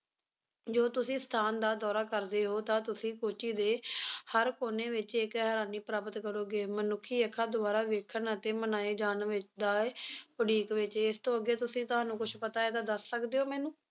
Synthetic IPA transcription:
d͡ʒoːt̪ʊsĩːst̪ʰaːnd̪aːd̪ɔːɾaːkəɾd̪eːɦoːt̪ãːt̪ʊsĩːkoːt͡ʃiːd̪eːhəɾkoːneːʋɪt͡ʃɪkɦəɾaːniːpɾaːpət̪kəɾoːɡeːmənʊkʰːiːəkʰːaːd̪ʊbaːɾaːʋeːkʰənət̪eːmənaːeːd͡ʒaːnʋɪt͡ʃd̪aːʋəɖiːkʋɪt͡ʃːɪst̪õːəɡeːt̪ʊsĩːt̪ʊɦãːnũːkʊt͡ʃʰpət̪aːeːd̪aːd̪əsːəkd̪eːoːmɛːnũː

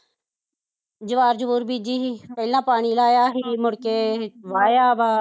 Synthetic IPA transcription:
d͡ʒɪʋaːɾd͡ʒəʋuːɾbiːd͡ʒiːɦipəːlnãːpaːɳ̃iːlaːjaːɦiːmʊɽkeːʋaːjaːbaː

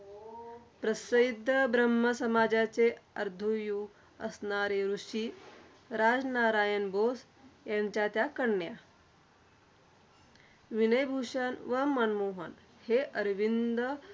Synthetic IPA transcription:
pɾəsəjd̪ʱːəbɾəmːəsəmad͡ʑat͡seəɾd̪ʱuju | əsnaɾeɾuʂi | ɾad͡znaɾajənbos | jaɲt͡ɕjat̪jakəɳːja | ʋinəjbʱuʂənʋəmənmoɦə̰n | heʔəɾʋind̪ə

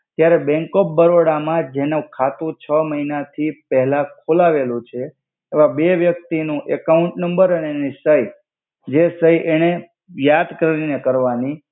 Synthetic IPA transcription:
t̪jaɾebɛ̃ŋkop̚bəɾoɽamãd͡ʒenũkʰat̪ũt͡ʃʰəməɦinat̪ʰipɛɦlakʰolaʋelũt͡ʃʰeː | ʋãbeʋjək̚t̪inũʔekauɳʈnəmbəɾənenisəj | d͡ʒesəjʔeñe | jad̪kəɾɾinekəɾʋani

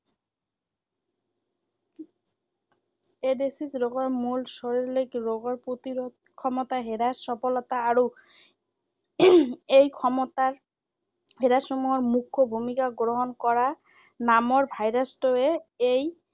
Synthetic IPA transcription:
edesisɾɔɡɔɹmulsɔɾiɾlekɾoɡɔɹpot̪iɾɔ | kʰɔmɔt̪aɦeɾasːɔpɔlɔt̪aːɾo | ejkʰɔmɔt̪a | ɦeɾasɔmuɦɔɹmukʰːobʱumikaɡɾoɦɔnkɔɹa | namɔɹbʱajɾasʈɔeej

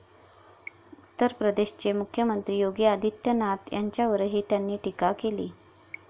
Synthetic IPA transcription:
ut̪ːəɾpɾəd̪eɕt͡ɕemukʰjəmənt̪ɾiːjoɡiəd̪ʱit̪jənat̪jaɲt͡ɕjaʋəɾɦiːt̪janːiːʈikakelḭː

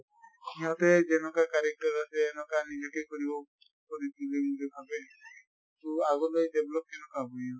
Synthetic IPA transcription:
iɦɔ̃t̪ed͡ʒenɔkakaɾek̚ʈɔɾaseːnɔkanid͡ʒekekɔɾibɔ | kɔɾit̪ulemudebʰʱabe | t̪uaɡɔdɔjdeblɔkkenɔkabɔjɔ

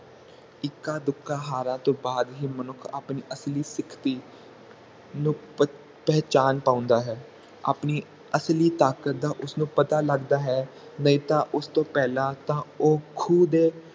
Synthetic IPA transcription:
ɪkːaːd̪ʊkːãːɦaːɾãːt̪õːbaːd̪ɦiːmənʊkʰa̰ːpniːʔəsliːsɪkʰt̪iː | nũː | pɛːt͡ʃaːnpãːʊ̃nd̪aːɦɛː | a̰ːpniː | əsliːt̪aːkət̪̚d̪aːʔʊsnũːpət̪aːləɡd̪aːɦɛː | nəĩːt̪ãːʔʊst̪õːpɛːlãːt̪ãːoːkʰuːd̪eː

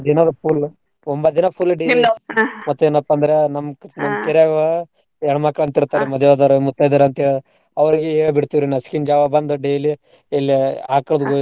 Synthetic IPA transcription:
d̪inad̪ɐpʰuːl | ombɐd̪inɐpʰulːɖeːlimɐt̪ːuenɐpːɐnd̪ɐɾenɐmnɐmkeɾjaɡɐ | ɛɳɐmɐkːɐɭɐnt̪iɾt̪ːaːɾemɐd̪ʱjɐʋaːd̪aɾumut̪ːajd̪aɾɐnt̪ɐɦeːɭd̪ | ɐʋɐɾiɡeeːbiɽt̪iʋiɾinɐskind͡ʒaːʋabɐnd̪ɐɖeːli | elːiaːkɐɭd̪uɡo

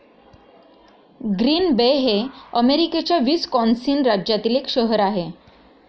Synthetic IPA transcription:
ɡɾiːnbeɦeəmeɾiket͡ɕjaʋiːskɔnsiːnɾad͡ʑjat̪iːlekɕəɦəɾaɦe

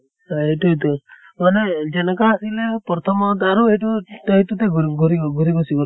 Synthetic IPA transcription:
eʈuɦit̪u | maned͡ʒenɔkaːsilepɔɾt̪ʰɔmɔt̪aɾueʈuʈaɦit̪ut̪eɡɡʱɔɾiɡʱɔɾibɔsikɔ

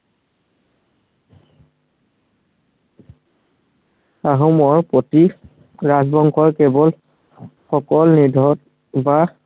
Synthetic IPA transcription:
aɦɔmɔɹpoti | ɹazbɔŋkʰɔɹkɛbɔl | xɔkɔlnidʱɔt | ba

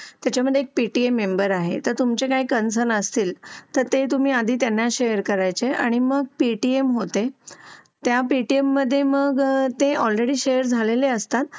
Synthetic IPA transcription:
t̪jat͡ɕaməd̪ʱjeek̚piʈiemːembəɾaɦḛt̪əɾt̪umt͡ɕekaɦiːkəns̬ənəst̪iːlt̪əɾt̪et̪um̤iːad̪ʱiːt̪janːaɕejəɾkəɾajt͡ɕea̰ɽ̃iməɡ̚piʈiemɦot̪e | t̪japiʈiemːəd̪ʱːjeməɡt̪eʔɔlɾeɽiːɕejəɾd͡zʱaleleəst̪at̪̚

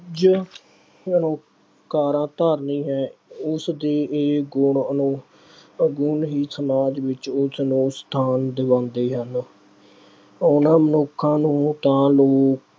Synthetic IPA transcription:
d͡ʒə | ənõː | kaːɾãːt̪aːɾnĩːɦɛ̃ːʊsd̪eːeːɡʊɳənũː | ɡʊɳɦiːsəmaːd͡ʒʋɪt͡ʃʊsnũːst̪ʰaːnd̪ɪʋãːnd̪eːɦən | ʊnãːmənʊkʰːãːnũːt̪ãːloːk

